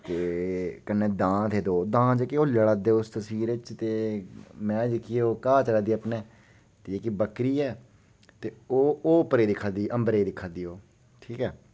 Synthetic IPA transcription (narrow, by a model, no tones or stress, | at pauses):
t̪eːkənːẽːd̪ãːt̪ʰeːd̪oːd̪ãːd͡ʒekeoːləɽaːd̪eʊst̪əswiːɾet͡ʃt̪eːmɛ̃ːd͡ʒɪkʰioːkaːt͡ʃəɾaːd̪iːəpneː | t̪eːeːkibəkɾiːɛː | t̪eːoːoːpəɾeːd̪ɪkʰːaːd̪iːʔəmbɾeːd̪ɪkʰːaːd̪iːoː | ʈʰiːkɛː